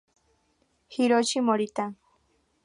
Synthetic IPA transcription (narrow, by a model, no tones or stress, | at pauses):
hiɾot͡ʃimoɾit̪a